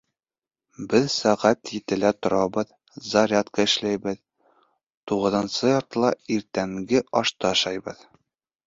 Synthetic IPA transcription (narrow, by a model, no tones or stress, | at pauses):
bɘðsæʁæt̪jɘ̆t̪ɘ̆læt̪ŏɾɑbɤð | zɐɾʲat̪kɑɘ̆ʃlæjbɘð | t̪uʁɤ̆ðɤ̆nsɤjɒɾt̪ɤ̆lˠɑiɾt̪æŋɡɘʔɒʃt̪ɤɒʃɑjbɤ̰ð